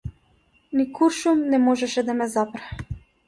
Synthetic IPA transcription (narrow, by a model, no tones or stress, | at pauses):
nikuɾʃumnɛmɔʒɛʃɛd̪amɛzapɾɛ